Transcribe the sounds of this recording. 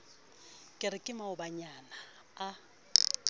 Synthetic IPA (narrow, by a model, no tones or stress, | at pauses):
kʼɪɾɪkʼɪmaʊbaɲanaː